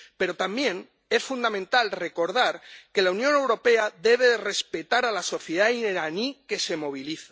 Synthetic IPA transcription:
pe̞ɾo̞t̪ambje̞n | e̞sfund̪amẽnt̪alre̞ko̞ɾð̞aɾke̞launjõ̞ne̞wɾo̞pe̞aðe̞βeðre̞spe̞t̪aɾalaso̞θjeðaineɾanike̞se̞mo̞β̞iliθa

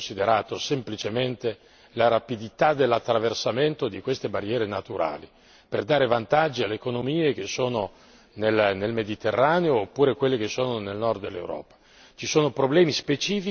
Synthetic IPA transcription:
nsid̪eɾaːt̪osemplit͡ʃement̪e | laɾapid̪it̪ad̪elːat̪ːɾaversament̪od̪ikwest̪ebarːjɛːɾenat̪uɾʔa̰ːli | perd̪aːɾevant̪ad͡ʒːialːeːkonomiːek̟esːoːno | nelnelmed̪it̪erːaːneoːpːuːɾekwelːek̟esːoːnonelnɔrd̪d̪elːḛwɾɔ̰ːpḁ | t͡ʃisoːnopɾoblɛːmispet͡ʃiːfi

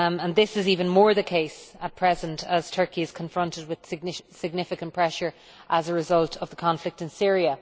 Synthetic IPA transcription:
ə̃nðɪsɪziːvə̃nmɔːɹðəkʰeɪsət̚pʰɹ̥ɛzə̃ntʰəz̥tʰɜ˞kiɪz̥kʰə̃ɱfɹʌ̃ntɪd̚wɪð̥sɡ̚sɪɡ̚nɪfɪkə̃npʰɹ̥ɛʃə˞ | ʔəzəɹɪzʌlˠtʰəvðəkʰɑ̃ɱflɪk̚tɪ̃nsɪɹiə

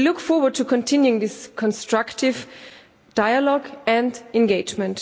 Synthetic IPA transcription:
lʊkfɔɹwə˞d̚tʰukʰɔ̃ntʰɪ̃njuɪ̃ŋðɪskʰɔ̃nstɹ̥aktɪv | d̥aɪəlɔɡɛ̃ndɛ̃nɡeɪd͡ʒmɛ̃nt

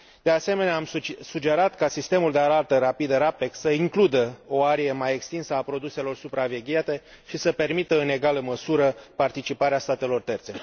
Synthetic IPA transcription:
d̪̥e̞ase̞me̞neaːmsud͡ʒe̞ɾat̪kasist̪e̞muld̪eaɾalt̪əɾapid̪əɾaped̪səiŋklud̪əo̞aɾiemaje̞kst̪insəapɾo̞d̪use̞lo̞rsupɾave̞ɡʲiat̪e̞ | ʃisəpe̞rmit̪əɨne̞ɡaləməsuɾəpart̪it͡ʃipaɾeast̪at̪e̞lo̞rt̪e̞rt̪se̞

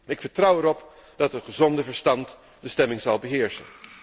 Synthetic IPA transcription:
ɪkfəɹtrʌwɛɾɔpd̥ɑtɦətχəzɔndəvəɹstɑnt | dəstɛmɪŋzɑlˠbəɦɪːɹsə̰n

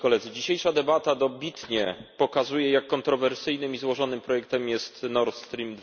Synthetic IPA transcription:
kɔlɛd̪zɘd͡ʑiɕejʂad̪ɛbat̪ad̪ɔbʲit̪ɲɛpɔkazujɛjakːɔnt̪ɾɔvɛɾsɘjnɘmizwɔʐɔnɘmpɾɔjɛkt̪ɛmjɛst̪nɔɾt̪st̪ɾʲimd̪

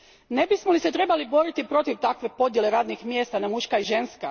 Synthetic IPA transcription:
ne̞bismolise̞t̪ɾe̞balibo̞ɾit̪ipɾo̞t̪iʋt̪akʋe̞po̞d̪jele̞ɾaːd̪nixmje̞ːst̪anamuʃkaiʒe̞nska

